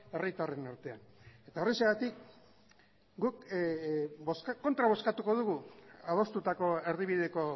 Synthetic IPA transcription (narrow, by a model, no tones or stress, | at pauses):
e̞rit̪are̞naɾt̪e̞ane̞t̪aereseɣat̪ik | ɡuk | boskakːo̞nt̪ɾaβo̞skat̪uko̞ð̞uɣuað̞o̞st̪ut̪ako̞e̞ɾðiβiðe̞ko̞